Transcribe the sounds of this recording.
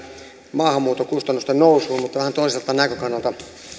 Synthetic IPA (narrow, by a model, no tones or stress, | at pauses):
mɑːhɑmːuːt̪okust̪ɑnːust̪ennousˑuːmut̪ːɑʋæhænt̪oˑiselt̪ɑnækøkɑnːɑlt̪ɑ